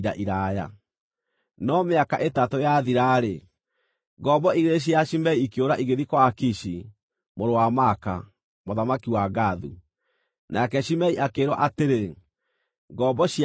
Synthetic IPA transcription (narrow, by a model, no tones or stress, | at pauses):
da̰ʔiɾaja̰ | nɔmeakaʔetatojaðiɾaːɾe | ɡɔbɔiɣɾeɕ̬iaʃimɛiːkjoɾaʔiɣeðikwakiʃi | moɾowamaka̰ | moðamakiwaɡaðṵ | nʔakɛɕimɛiʔakeɾwɔʔateɾe | ɡɔbɔɕi